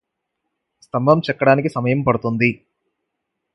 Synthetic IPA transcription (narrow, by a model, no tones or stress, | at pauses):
st̪ɐmbʱɐmt͡ʃɛkːɐɽaːnikisɐmɐjɐmpɐɽut̪und̪i